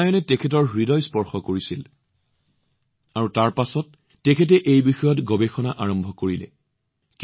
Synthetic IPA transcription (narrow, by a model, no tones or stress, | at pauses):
ajɔnɛtɛkʰɛtɔɹɹidɔjspɔɹxɔkoɹisil | aɹutaɹpasɔtː | ɛkʰɛt̬ɛʔejbixɔjɔtɡɔbexɔnaʔaɹɔmbʱɔkoɹilɛ̰ | k